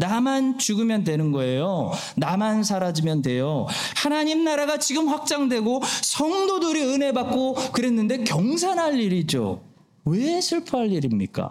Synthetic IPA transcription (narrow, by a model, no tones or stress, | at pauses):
namant͡ɕuɡɯmjʌndwe̞nɯnɡʌe̞jo | namans̬ʰaɾad͡ʑimjʌndwe̞jo | hanaɲimnaɾaɡat͡ɕiɡɯmɸwak̚t͡ɕ͈aŋdwe̞ɡosʰʌŋdodoɾiɯne̞bak̚k͈okɯɾe̞nːɯnde̞kjʌŋs̬ʰanɦaʎːiɾid͡ʑo̰ | we̞sʰɯɭpʰaɦaʎːiɾimɲik͈a̰